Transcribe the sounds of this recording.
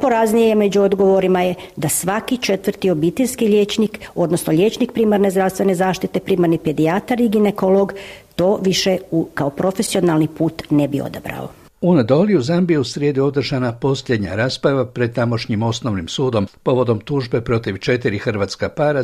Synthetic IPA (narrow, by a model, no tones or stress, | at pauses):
po̞ɾaznijeme̞d͡ʑuo̞d̪ɡo̞ʋo̞ɾimajed̪asʋakit͡ʃe̞t̪ʋərɾt̪io̞bit̪eʎʲskiʎeːt͡ʃniko̞d̪no̞snoʎʲe̞t͡ʃnik̚pɾiːmaɾne̞zd̪ɾaʋst̪ʋe̞ne̞zaːʃt̪it̪e̞pɾiːmaɾniped̪iat̪aɾiɡine̞ko̞lˠo̞ɡt̪o̞ːʋiʃeukaopɾo̞fesio̞nalnipuːt̪nebio̰d̪abɾa̰o̰ | uned̪o̞liuzambijeusɾjeːd̪uo̞d̪r̩ʒanapo̞sʎʲe̞d̪ɲa̰ɾaːspɾaʋapɾed̪̚t̪amo̞ʃɲimo̞snoʋnimsuːd̪o̞mpo̞ʋo̞d̪o̞mt̪uːʒbe̞pɾo̞t̪iʋt͡ʃe̞t̪iɾixr̩ʋaːt̪skapaːɾa